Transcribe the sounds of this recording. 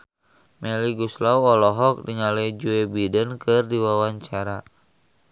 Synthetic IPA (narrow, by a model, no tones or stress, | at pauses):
mɛliɡuslauɔlɔɦɔk̚diɲalɛd͡ʒuebidənkɨrdiwawaɲt͡ʃaɾa